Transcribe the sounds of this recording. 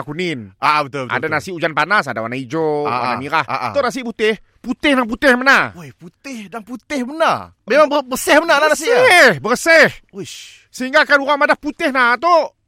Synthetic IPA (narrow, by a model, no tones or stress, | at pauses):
kunɪnaʔabət̪ʊbəʔa̰danasiud͡ʒanpanasadawanaid͡ʒoawa̰namiɾaha̰ʔ̪oʔnas̬iʔput̪ɪh | put̪ɪhnap̬ut̪ɪhmənarojput̪ɪhdaŋput̪ɪhbənar | memaŋbəbəsɪhbənalahnas̬iʔhbərsɛhu | səɦiŋɡakanuɣaŋmadahput̪ɪhnat̪oʔ